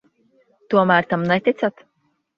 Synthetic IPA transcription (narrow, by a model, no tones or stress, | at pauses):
t̪uɔmæːɾt̪amnɛt̪ʲit̪sat̪